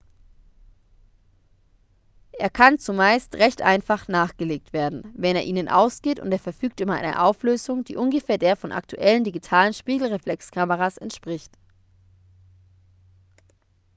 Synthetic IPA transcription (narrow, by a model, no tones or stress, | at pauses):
ʔeːɐkʰant͡sumaɪstʁɛçtʔaɪnfaχnaːχɡ̥əleːk̚tv̥eːɐdn̩vɛneːɐʔiːnənʔa̰ʊsɡ̥eːtʊ̰nteːɐfɛɐfyːk̚tʔʏbɐa̰ɪnə̰ʔaʊfløːzʊŋd̥ḭːʔʊnɡəfeːɐdeːɐfɔnʔa̰k̚tʰuʔɛləndiɡitʰaːlənʃpiːɡl̩ʁeflɛkskʰaməʁasɛ̰ntʃpʁ̥ɪçt